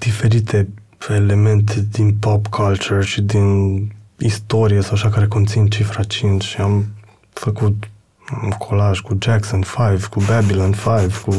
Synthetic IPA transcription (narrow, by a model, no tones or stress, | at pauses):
d̪̥ifɛɾiːt̪ʰe | elemɛnt̪ʰed̪inpɔpkʰalt͡ʃuɾt͡ʃid̪in | ist̪ɔːɾjasawʃakaɾekont̪sint͡ʃifɾat͡ʃinʃiam | fakut̪ | amkʰolaʒkud͡ʒɛksɔnfajvkubɛbilanfajvku